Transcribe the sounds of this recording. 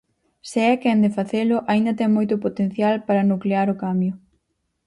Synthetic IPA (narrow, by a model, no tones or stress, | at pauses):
seɛkɛnd̪efaθelʊʔaind̪ɐt̪ɛŋmojt̪ʊpot̪en̟θjalpaɾɐnukleaɾʊkambjʊ